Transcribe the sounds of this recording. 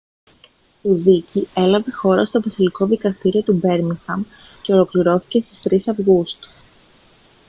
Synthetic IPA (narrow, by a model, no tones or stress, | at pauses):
iðicie̞lɐve̞xo̞ɾɐst̪o̞vɐsiliko̞ðikɐst̪iɾio̞t̪ube̞ɾmiŋxɐm | ce̞o̞lo̞kliɾo̞θi̥ce̞st̪i̥st̪ɾisɐvɣust̪u̥